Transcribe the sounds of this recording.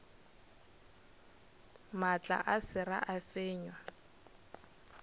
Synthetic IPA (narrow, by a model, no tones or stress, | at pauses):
mat͡ɬʼa̰ʔasɪra̰ʔafeːɲwa